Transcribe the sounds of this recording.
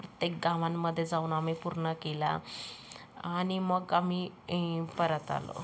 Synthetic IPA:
pɾət̪jek̚ɡãʋãmːəd̪ʱːjed͡zaunamipuɾɳəkela̰ | animəɡami | pəɾət̪a̰lo̰

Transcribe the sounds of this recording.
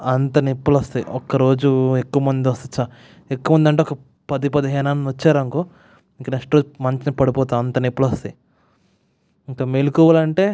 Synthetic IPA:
ɐnt̪ɐnepːɐlɐst̪ɐɔkːɐɾo̞ːd͡ʒuekːuʋɐmɐnd̪iʋɐst̪ɐt͡ʃːa | ekːuːɐmɐnd̪ɐɳʈ̬eɔkɐ | pɐd̪ipɐd̪iɦɛːnaːnuʋɐt͡ʃːaːɾɐŋkoː | iŋkːɐneksʈɾoːd͡ʒumɐɲt͡ʃinipɐɽipɔːt̪aːɐnt̪ɐnepːɐlɐst̪e | iŋkɐmelukuːʋɐlɐɳʈe̞ː

